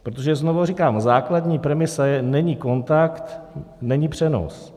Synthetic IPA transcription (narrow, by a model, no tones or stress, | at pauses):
pɾot̪̬oʒɛznovorikaːmzaːkladɲiːpɾɛmɪsɛnɛɲiko̞nt̪akt̪nɛɲipr̝̥ɛno̰s